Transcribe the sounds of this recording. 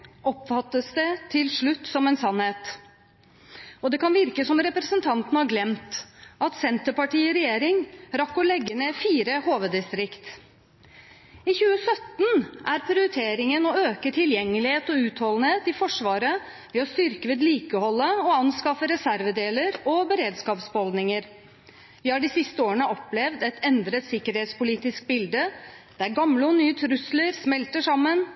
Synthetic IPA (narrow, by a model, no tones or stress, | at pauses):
ɔpːfɑt̪ːəsd̪ɛt̪ʰɪlʂɭʉt̪ːsɔmɛnsɑnheːt̪ | ɔd̪ɛkɑnʋɪɾkəsɔmɾɛpɾəsənt̪ʰɑnt̪ənhɑɾɡlɛmt̪ʔɑt̪sɛnt̪əpɑʈiːɔɾɛjeːɾɪŋɾɑkːɔlɛɡːəneːfiːɾəhoːʋəd̪ɪst̪ɾɪkt̪ | ɪçʉːəsœt̪n̩ʔæɾpʰɾɪʊɾɪt̪ʰeːɾɪŋənɔøːkəʈʰɪljɛŋːəlɪheːt̪ɔʉːt̪hɔlən̩heːt̪ɪfɔʂʋɑːɾə | ʋeːɔst̪ʏɾkəʋeːd̪liːkəhɔlːəɔɑnskɑfəɾɛsæɾʋəd̪eːləɾɔbəɾeːd̪skɑːpsbəɔld̪nɪŋəɾ | ʋɪːhɑːɖiːsɪst̪əoːəɳəʔɔplɛʋd̪ɛt̪ʰɛnd̪ɾət̪sɪkːəɾheːt̪spʊliːt̪ɪsk̚bɪld̪əd̪̥æɾɡɑmləɔnyːət̪ʰɾʉsləɾsmɛlt̪əʂɑmːən